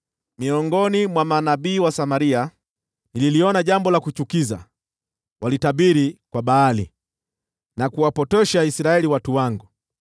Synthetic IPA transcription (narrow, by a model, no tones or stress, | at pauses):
miɔŋɡɔnimwamanabiːwasamaɾia | nililiɔnaʄambɔlakut͡ʃukiza̰ | walitaɓiɾikwaɓaːlḭ | nakuwapɔtɛʃaisiɾaɛliwatuwaŋɡu